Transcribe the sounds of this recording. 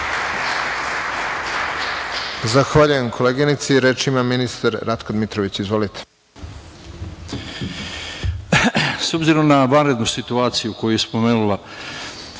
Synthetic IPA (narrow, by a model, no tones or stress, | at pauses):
zaxʋaʎuje̞mkʰo̞leːɡinit̪siɾe̞ːt͡ʃimaminist̪aɾɾat̪kod̪mit̪ɾoʋit͡ɕizʋo̞lit̪e̥ | so̞bziɾo̞mnaʋanɾe̞d̪nusit̪uaːt̪sijukojujespomenula